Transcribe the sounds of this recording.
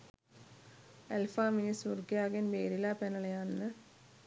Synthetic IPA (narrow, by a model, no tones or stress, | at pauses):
elfaːminisurɡijaːɡɐnbeːɾilaːpenɐɭɐjaːnnɨ